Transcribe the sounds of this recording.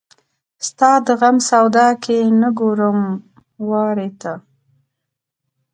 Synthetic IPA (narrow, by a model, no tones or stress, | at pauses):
st̪ɑd̪əɣamsawd̪ɑkʰenəɡoɾəm | wɑɾet̪a